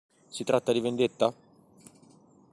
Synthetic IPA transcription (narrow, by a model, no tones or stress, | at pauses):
sit̪ɾat̪ːad̪ivend̪et̪ːa